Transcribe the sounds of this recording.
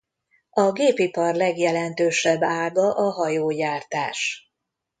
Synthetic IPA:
ɒɡeːpipɒrlɛɡjɛlɛnt̪øːʃɛbːaːɡɒʔɒɦɒjoːjaːrt̪aːʃ

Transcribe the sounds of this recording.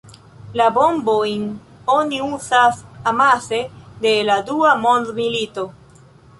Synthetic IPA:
labo̞mbojn | oniuzasamase̞de̞laduamo̞nd̪milito̞

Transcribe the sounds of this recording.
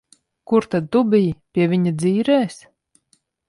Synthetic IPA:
kuɾt̪ad̪̚t̪ubʲijpʲiɛvʲiɲad̪ziːɾɛːs

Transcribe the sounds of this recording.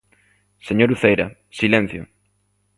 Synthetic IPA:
seɲoɾuθejɾɐ | silɛ̃n̟θjʊ̰

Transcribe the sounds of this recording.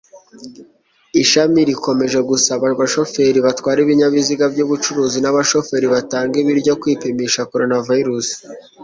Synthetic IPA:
iʃamiɾiko̞me̞ʒeɡusaβaβaʃo̞fe̞ɾiβatkwaːɾiβiɲaβiziɡabɟuːβut͡ʃuɾuːzinaβaʃo̞fe̞ːɾiβataːŋɡiβiɾɟo̞kwiːpemiʃako̞ɾo̞navaiɾusi̥

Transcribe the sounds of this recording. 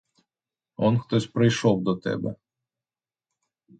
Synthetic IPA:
ɔnxt̪ɔsʲpɾɪjʃɔwd̪ɔt̪ɛ̰bɛ̰

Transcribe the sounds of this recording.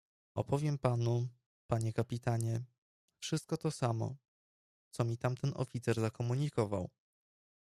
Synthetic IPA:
ɔ̰pɔvʲjɛmpanu | paɲɛkapʲit̪aɲɛ | fʂɘst̪̚kɔt̪ɔsamɔ̰ | t̪sɔmʲit̪amt̪ɛnɔ̰fʲit̪sɛɾzakɔmuɲikɔva̰w

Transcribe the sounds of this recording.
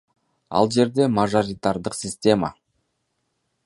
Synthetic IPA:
ɑ̰lˠd͡ʒe̞ɾd̪e̞maʒoɾʲit̪aɾd̪əqsʲɪsʲtʲe̞ma̰

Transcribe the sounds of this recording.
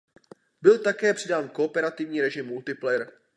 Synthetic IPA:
bɪlt̪akɛːpr̝̥ɪdaːnko̞opɛɾat̪ɪvɲiːɾɛʒɪmːult̪ɪplɛɾ

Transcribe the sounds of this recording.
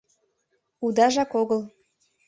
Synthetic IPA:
ud̪ɑʒɑkoɣəl

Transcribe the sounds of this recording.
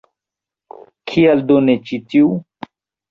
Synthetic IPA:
kʰiald̪onet͡ʃitiu

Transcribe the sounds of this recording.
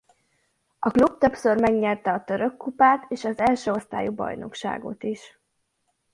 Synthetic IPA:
ɒklub̚t̪ø̞psø̞rmɛɡɲɛrt̪ɛɒt̪ø̞ɾø̞kːupaːt̪ʰeːʃɒzɛlʃøo̞st̪a̰ːjubɒ̰jno̞̰kʃa̰ːɡo̞̰t̪iʃ

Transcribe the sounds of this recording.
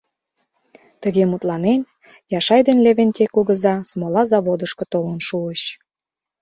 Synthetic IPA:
t̪əɣemut̪lɑnen | jɑʃɑjd̪enleβenʲt̪ʲekuɣəzɑsmolɑzɑβod̪əʃkɤ̆t̪olənʃuəɕ

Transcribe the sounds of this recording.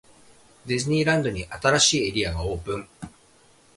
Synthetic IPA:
d̪e̞zɨɲ̟iːɾãnd̪o̞ɲ̟iʔat̪aɾaɕiːeɾʲiaɡao̞ːpɯ̟̃ŋ

